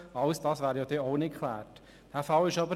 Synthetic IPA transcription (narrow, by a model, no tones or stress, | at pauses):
ɑʊsd̥ɑːsʋæːɾjɑːd̥̪ɛoʊnɪkʰlæ̰ːɾt | d̥æːfɑlɪʃɑbə